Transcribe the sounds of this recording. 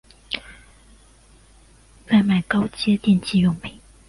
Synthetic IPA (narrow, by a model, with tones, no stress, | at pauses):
t͡sa˥˩ɪma˨˩ɪkɑ˥ʊt͡ɕjɛ˥t̪jɛ˥˧nt͡ɕi˥˧jʊ˨˩ŋpi˨˩˦ŋ